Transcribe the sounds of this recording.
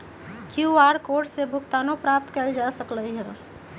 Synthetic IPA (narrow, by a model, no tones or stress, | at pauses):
kjuaɾkoɖsebʱʊkt̪anopɾap̚t̪kəld͡ʒasəkləiɦəɾ